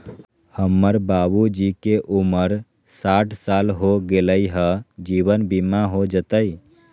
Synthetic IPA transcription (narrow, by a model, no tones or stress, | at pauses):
həmːəɾbabud͡ʒikeʔuməɾ | saːʈʰsaːlɦoɡeləiɦəd͡ʒiːwənbimaɦod͡ʒət̪əi